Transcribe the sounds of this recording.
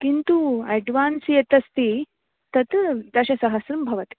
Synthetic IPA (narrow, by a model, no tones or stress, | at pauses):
kint̪uɛɖʋansjet̪ɐst̪i | t̪ɐt̪t̪ɐɕasɐɦəsɾumbʱɐʋət̪i̥